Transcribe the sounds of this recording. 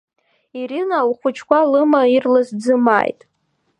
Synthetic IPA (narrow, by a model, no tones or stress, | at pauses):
iɾinawχʷʊt͡ʃʰkʷʰalɨmairlɨzd͡zɨma̰ːjtʼ